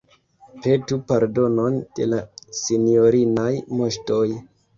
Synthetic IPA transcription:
pe̞tupaɾdo̞no̞nd̥e̞̰lasino̞ɾinajmo̞ʃto̞j

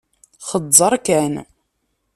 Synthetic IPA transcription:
χədˤːəɾˤkæn

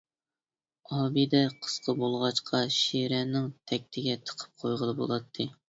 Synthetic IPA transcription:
ɑːbid̪ɛqʰə̥sqʰəbolˠʁɑʃqʰɑʃiɾɛnɪŋt̪ʰɛk̚ʲt̪ʰɪɡʲɛt̪ʰə̥qʰə̥p̚qʰojʁəlˠɨbo̰lˠɑt̪ʰːɨ

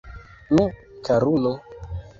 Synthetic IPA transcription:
nũkaɾulo

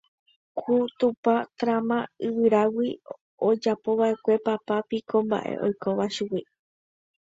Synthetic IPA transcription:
kʰut̪upat̪ɾamãɨʋɨɾawi | od͡ʒapo̞βaʔe̞kʷe̞papapikʰõ̞mba̰ʔe̞̰ʔo̞̰jko̞ʋaʃuwi

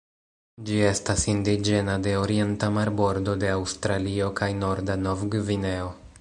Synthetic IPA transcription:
d͡ʒie̞stasindid͡ʒe̞nade̞o̞ɾie̞ntamaɾbo̞ɾdo̞de̞awstɾalio̞kʰajno̞ɾdanovɡvine̞o

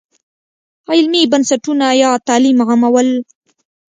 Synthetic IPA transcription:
ɑɪlmibansaʈunajɑt̪ɑːlimɣamawəl

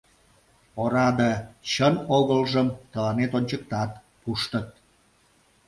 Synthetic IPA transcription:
oɾɑd̪ət͡ɕənoɣəlʒəmt̪əlɑnet̪onʲt͡ɕək̚t̪ɑt̪ | puʃt̪ət̪̚

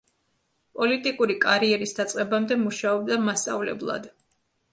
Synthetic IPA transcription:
pʼɔlit̪ʼikʼuɾikʼaɾiɛɾisd̪at̪sʼqʼɛbamd̪ɛmuʃaɔb̚d̪amast̪sʼa̰vlɛ̰blˠa̰d̪̥

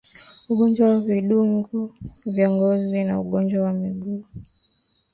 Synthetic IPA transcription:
uɠɔɲd͡ʒwawaviɗuŋɡuvjɔŋɡɔzina̰uɠɔnd͡ʒwawamiɡuː

